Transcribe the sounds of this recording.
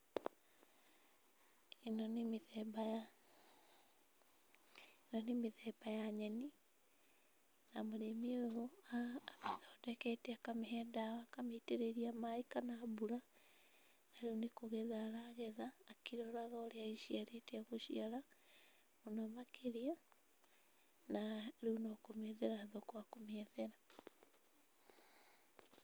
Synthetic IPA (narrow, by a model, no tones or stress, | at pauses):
inɔnimiðɛbaja | nɔnimiðɛbajaɲɛni | namoɾemioɔaakiðɔdɛkɛtɛakamiɦɛːdaakameteɾeɾiamaikanaːβuɾa | naɾunikoɣɛðaːɾaɣɛðaːkiɾɔɾaɣaoɾeaiʃiaɾetaɣoʃiaɾa | monɔmakʰeɾia | naɾunɔkomɛðɛɾaːðɔkwakomɛðɛɾa